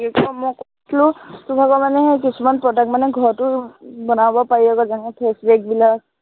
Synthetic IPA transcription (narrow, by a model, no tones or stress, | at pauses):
ikɔmɔ̃kɔtʰlusubʱakɔmanɛk̬isʰumanpɹɔdak̚tmanɛɡʱɔɹtubɔnabɔpaiɔɡɔzaŋɛpʰesbek̚bila